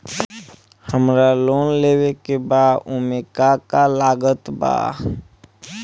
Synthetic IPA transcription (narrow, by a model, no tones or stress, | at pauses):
həmɾaloːnleːwekebaːd̪ʊmekakalaːɡət̪ba̰ː